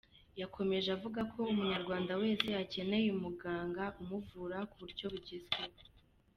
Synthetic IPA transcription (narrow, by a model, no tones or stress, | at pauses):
jakʰo̞me̞ʒavuɡakʰo̞umuɲaɾɡwaːndawe̞ːzejace̞ne̞jumuɡaːŋɡaumuvuɾakuβuɾɟo̞βuɟizɡe